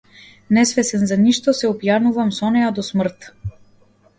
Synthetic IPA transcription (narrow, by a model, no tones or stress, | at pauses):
nɛsvɛsɛnzaniʃt̪ɔsɛɔpjanuvamsɔnɛjad̪ɔsmr̩t̪